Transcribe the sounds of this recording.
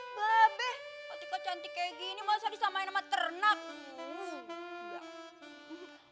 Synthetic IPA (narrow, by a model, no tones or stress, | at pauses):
kabɛhkat̪ikat͡ʃant̪ikaɡinimaasadisamainamat̪ərnak̚ | ja